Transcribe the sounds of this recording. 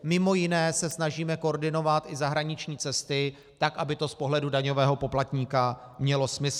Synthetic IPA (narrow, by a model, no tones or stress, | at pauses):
mɪmo̞jɪnɛːsɛsnaʒiːmɛkordɪno̞vat̪ʔɪzaɦɾaɲɪt͡ʃɲiːt͡sɛst̪ɪ | t̪akʔabɪt̪o̞spo̞ɦlɛdudaɲo̞vɛːɦo̞po̞plat̪ɲiːka | mɲɛlo̞smɪsl